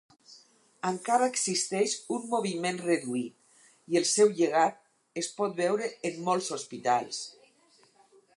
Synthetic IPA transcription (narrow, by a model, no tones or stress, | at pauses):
əŋkaɾaeksist̪ɛʃumːoβ̞imẽnreðuit̪̚ | ielˠsɛwʎeɣ̞at̪̚ | espɔt̪̚bɛwɾəːmːɔlˠsospit̪alˠs